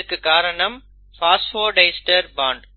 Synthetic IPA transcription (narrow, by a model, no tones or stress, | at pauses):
kkaːɾənɐm | faːsʈfoːɖeɪsʈəɾbãːɳɖ